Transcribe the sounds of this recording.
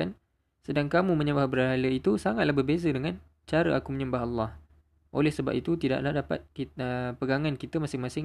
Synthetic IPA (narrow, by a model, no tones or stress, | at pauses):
an | sədaŋkamũmə̃ɲəmbahbəɾaaləit̪usaŋat̪̚lahbərbezədəŋãn | t͡ʃaɾəʔakuməɲə̃mbaɦalːɑh | ʔo̰lɛhsəba̰p̚it̪ut̪ida̰ʔlahdapa̰t̪̚kiəpəɡaŋankit̪əmasɪŋmasɪ